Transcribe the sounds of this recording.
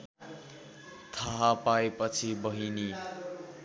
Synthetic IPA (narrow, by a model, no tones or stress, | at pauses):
t̪ʰaɦapaepʌt͡sʰibʌɦini